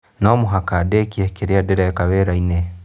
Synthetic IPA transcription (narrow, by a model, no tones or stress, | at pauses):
noːmuɦakadekiekeɾiadeɾakaβeɾaine